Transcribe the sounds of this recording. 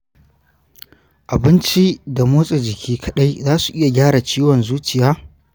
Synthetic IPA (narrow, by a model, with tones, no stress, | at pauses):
ʔa˨bɪ˦nt͡ʃi˦da˨moː˦sʼe˨d͡ʒɪ˨kʲʰiː˦kʰɐ˦ɗa˦jzaː˦su˨ʔɪ˦ja˨ɡʲaː˦ɽa˨t͡ʃiː˦wɔ˨nzuː˦t͡ʃɪ˨jaː˦